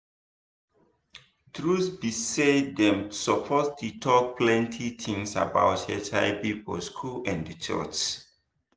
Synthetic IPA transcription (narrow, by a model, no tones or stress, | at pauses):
tɹusbisedɛ̃msəpʰɔstutʰɔk̚pʰlɛ̃ntʰitʰĩŋsa̰ba̰ʊthɛtʰaɪpipɔ̰skʰulãndət͡ʃɔ̰t͡ʃ